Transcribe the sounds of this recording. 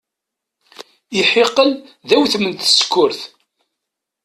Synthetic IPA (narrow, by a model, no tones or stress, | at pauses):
iħeqːəlðæwθəmənt̪skːʊɾθ